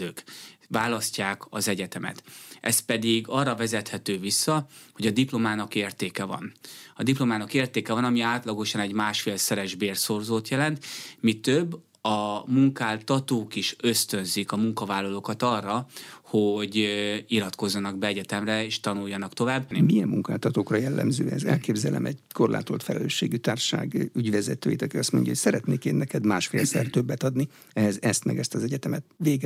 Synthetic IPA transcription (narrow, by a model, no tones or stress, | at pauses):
øːkvaːlɒscaːkɒ̰zɛɟɛt̪ɛmɛ̰t̪ʔɛ̰spɛd̪iɡɒrːɒvɛzɛt̪hɛt̪øːvisːɒho̞ɟɒd̪iplo̞maːnɒkeːrt̪eːkɛvɒ̰nɒd̪iplo̞maːnɒkeːrt̪eːkɛvɒnɒmiaːt̪lɒɡo̞ʃɒnɛɟmaːʃfeːlsɛɾɛʒbeːrsorzoːt̪jɛlɛnt̪mit̪øbː | ɒmuŋkaːlt̪ɒt̪oːkiʃø̞st̪ø̞nzikɒmuŋkɒvaːlːɒloːkɒt̪ɒrːɒhoɟilɒt̪ko̞zːɒnɒɡbɛɛɟɛt̪ɛmrɛeːʃt̪ɒnujːɒnɒkt̪o̞vaːbːmiɛmːuŋkaːlt̪ɒt̪oːkrɒjɛlːɛ̰mzøːɛzɛ̰lkeːbzɛlɛ̰mʔɛɟkorlʔa̰ːt̪olt̪fɛlɛlø̰ːʃːeːɡyt̪aːrʃa̰ːɡyɟʋɛzɛt̪øːjit̪ɒkiɒst̪moɲɟɒɦocsɛɾɛt̪neːkeːnːɛkɛd̪maːʃfḛːlsɛrt̪øbːɛt̪ɒd̪ni | ɛɦɛzɛst̪mɛɡɛst̪ɒzɛɟɛt̪ɛmɛt̪̚ʋeːɡ